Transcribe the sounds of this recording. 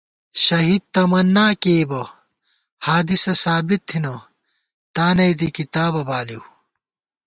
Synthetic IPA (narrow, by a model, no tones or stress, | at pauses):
ɕɐɦid̪̚t̪ɐmɐnːaːkeːbɐ | haːd̪isɐsaːbit̪ʰːinɐ | t̪aːnɐjd̪̬ikit̪aːbɐbaːliw